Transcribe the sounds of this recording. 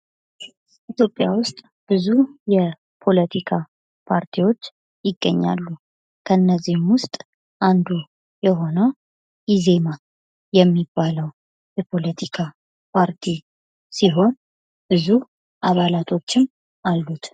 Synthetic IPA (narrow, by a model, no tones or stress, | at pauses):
ʔit̪ʰjo̞pʼːjawʊst̪ʼ | b̥ɨzujɛ | pʰo̞lət̪ʰikʰa | pʰaɾt̪ʰiwo̞t͡ʃː | jɪɡːəɲːa̰lːu | kʰəɨnːəzːihɨmwʊst̪ʼ | ʔand̪u | jɛɦo̞nəw | ʔize̞ma | jɛmːibːaləw | jɛpʰo̞lət̪ʰikʰa | pʰaɾt̪ʰi | siɦo̞n | b̥ɨzu | ʔaβalat̪ʰo̞t͡ʃːɪm | ʔalːut̪